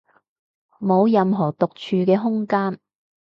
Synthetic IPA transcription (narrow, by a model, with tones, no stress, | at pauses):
mo˨˧wjɐ˨˧mɦɔː˨˩t̪ʊ˨k̚t͡ʃʰyː˧kɛː˧ɦʊ˥ŋkaː˥n